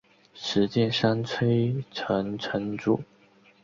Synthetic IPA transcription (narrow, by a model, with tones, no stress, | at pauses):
ʂɻ̩˧˥t͡ɕjɛ˥˨nʂa˥nt͡sʰwe˥ɪʈ͡ʂʰə˧˥ŋʈ͡ʂʰə˧˥˦nʈ͡ʂṵ˨˩